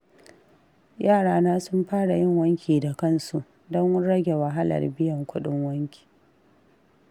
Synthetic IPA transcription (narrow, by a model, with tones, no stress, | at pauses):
jaː˦˨ɽaː˦naː˦sʊ˦mɸaː˦ɽa˨jɪ˦˨ŋwɐ˦ŋkʲiː˨da˨kɐ˦˨nsu˨ʔ | dɔ˦ŋɽɐ˦ɡʲe˨wɐ˨ɦa˦lɐ̰˨rbɪ˦jɐ˨ŋkʷʊ˦ɗɪ˦ŋwɐ˦ŋkʲʰi̥ː˨